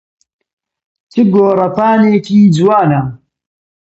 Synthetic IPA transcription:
t͡ʃɨɡoːɾɐpaːneːkiːd͡ʒwaːna

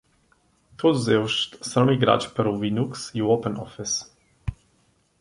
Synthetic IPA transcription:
t̪ʰuzɛwʃt̪sɔmiɡɾa̰t͡ʃpɛɾuvinuksiwɔpənɔfɪs

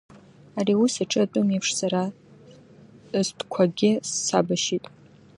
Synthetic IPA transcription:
ariusaʈ͡ʂʰʼɨatʼʊmepʰʂsaɾa | zdkʷʰaɡʲɪsːabaʃitʼ

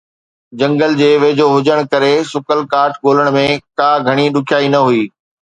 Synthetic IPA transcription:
d͡ʑɐ̃ŋɡəld͡ʑeːʋeːd͡ʑoɦʊd͡ʑəɽ̃kɐɾesʊkəlkaːɾʈɠoːləɽ̃mẽkaːɡʱɐɽ̃iɗʊkʰjaːinɐɦuiː

